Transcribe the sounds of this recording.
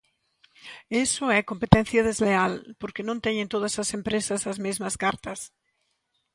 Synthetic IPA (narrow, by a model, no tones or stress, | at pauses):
esʊɛkompet̪ɛ̃n̟θjɐðezlealpoɾkɪnõnt̪ɛɲẽnt̪oð̞ɐsɐsempɾesɐsɐzmezmɐskaɾt̪ɐs